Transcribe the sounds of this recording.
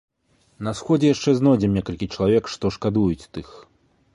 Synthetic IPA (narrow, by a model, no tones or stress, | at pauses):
nɐsxɔd͡zʲɛjaʂt͡ʂɛznɔd͡zʲɛmʲnʲɛkɐlʲkʲit͡ʂɐlˠavʲɛkʂt̪ɔʂkad̪ujut͡sʲt̪ɨx